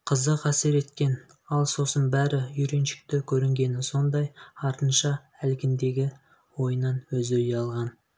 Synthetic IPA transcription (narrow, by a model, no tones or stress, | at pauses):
qʰəzəqæseɾe̞t̪kʲe̞n | ɑlˠso̞sənbæɾɪʏɾe̞nʃɪ̥k̚t̪ɪkʲʰɵɾɪŋɡʲe̞nɪso̞nd̪ɑjɑɾt̪ənʃɑ | ælɡʲɪnd̪e̞ɡʲɪ | wo̞jənɑnwɵzɵjɑlˠʁɑn